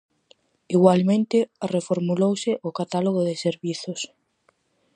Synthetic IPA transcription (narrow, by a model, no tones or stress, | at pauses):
iɣwalmẽnt̪ɪarefoɾmulowsɪʔʊkat̪aloɣʊðɪseɾβiθʊs